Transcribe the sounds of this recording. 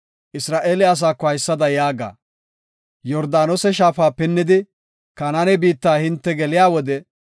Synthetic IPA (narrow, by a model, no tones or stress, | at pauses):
ʔɪsɾaːʔeːlɪɐs̬aːkːɔhɐjsːɐd̪ɐjaːɡa̰ː | jɔɾd̪aːnɔsɛʃaːfaːpɪnːɪd̪ɪ | kɐnanɛbiːt̪ːaːhɪnt̪ːɛɡɛlɪjaːwɔd̪ɛ